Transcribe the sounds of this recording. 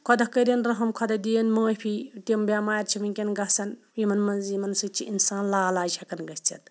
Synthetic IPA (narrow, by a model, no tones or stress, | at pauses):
kʰɔd̪ɐkɐɾʲɐnɾɐɦɐmkʰɔd̪ɐd̪ʲijɐnmɐːjpʰit̪ʲimbʲamaːjɐɾt͡ʃʰiminkʲɐnɡɐsɐn | imɐnmɐnzimɐnsɨt͡ʃʰiʔinsaːnlaːlaːd͡ʒʲɐkɐnɡɐsʲt͡sɐ̰t̪̚